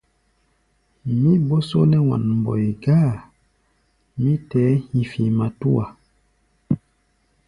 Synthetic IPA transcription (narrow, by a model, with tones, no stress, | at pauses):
mi˦bɔ˦so˦nɛ˦wa̰˨nm˨bɔ̰˨i˨ɡaː˦˨ | mi˦tɛ˨˦hi˨fi˨ma˨tu˦a˨